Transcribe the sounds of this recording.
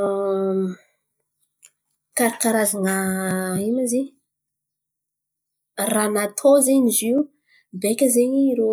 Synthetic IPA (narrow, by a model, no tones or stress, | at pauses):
kaɾakaɾazanainaze | ranat̪ʰozeɲizi | bekʲəzeɲiiɾo